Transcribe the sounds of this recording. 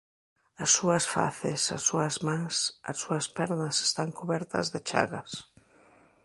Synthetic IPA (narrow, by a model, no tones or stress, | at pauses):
ɐsːuɐsfa̰θesa̰sːuɐzmãŋsɐ̰sːuɐspɛɾnɐse̥st̪aŋkuβɛɾt̪ɐ̰zðɪt͡ʃa̰ɣɐs